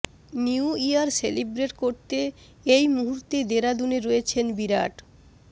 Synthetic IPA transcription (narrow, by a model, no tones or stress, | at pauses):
niuijaɾselibɾeʈkoɾt̪e | ejmuɦuɾt̪ed̪eɾad̪uneɾojet͡ɕʰenbiɾaʈ